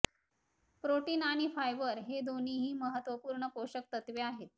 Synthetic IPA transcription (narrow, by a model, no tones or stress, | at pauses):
pɾoʈiːnaɽ̃ifajʋəɾɦed̪oniɦiːməɦət̪ʋəpuːɾɳəpoɕək̚t̪ət̪ʋeaɦet̪̚